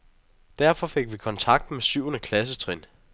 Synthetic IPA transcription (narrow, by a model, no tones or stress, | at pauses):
d̥æɐ̰fɒ̽fe̝ɡ̥ʋikʰɒ̽nt͡sʰɑ̈ɡ̥d̥mesyʊ̰ɐnəkʰlæs̬ət͡sʰʁin